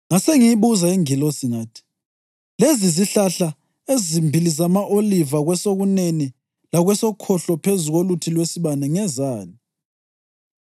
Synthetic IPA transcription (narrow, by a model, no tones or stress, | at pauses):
ŋaseŋiiβuzaiŋilɔsiŋaːtʰi̥ | leziziɬaɬa | ezimbʱilizamaʔolivaɣwɛsoɣuneni | laɣwɛsɔkʰɔɬɔpʰezuɣolutʰilwesiβanɛŋɛzaːni